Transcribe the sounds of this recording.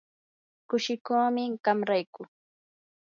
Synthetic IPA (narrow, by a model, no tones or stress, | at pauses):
kʊʃɪkoːmɪɢamɾajkʊ